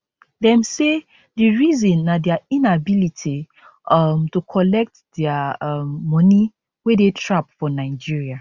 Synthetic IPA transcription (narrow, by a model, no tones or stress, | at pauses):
dɛ̃mse | diɹizɔ̃nːadɛaĩnabilitʰi | mtukʰɔlɛk̚tdɛamːɔ̃ni | wedetʰɹap̚fɔnaɪd͡ʒiɹia